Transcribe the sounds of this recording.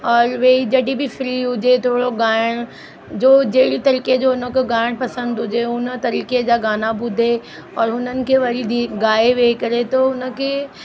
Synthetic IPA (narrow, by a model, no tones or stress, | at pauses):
ɔːɾʋeːid͡ʑɐɗibɪfɾiːɦʊd͡ʑet̪ʰoːɽoɡaːɪɽ̃ | d͡ʑoːd͡ʑeːɽit̪ɐɾiːked͡ʑoːʊnə̆kʰeɡaːɪɽ̃pɐsə̃nd̪ɦʊd͡ʑeʊnə̆t̪ɐɾiːked͡ʑaːɡaːnabʊd̪ʱe | ɔːɾɦʊnənɪ̆kʰeːʋɐɾid̪iɡaːeʋekɐɾet̪oʊnə̆kʰeː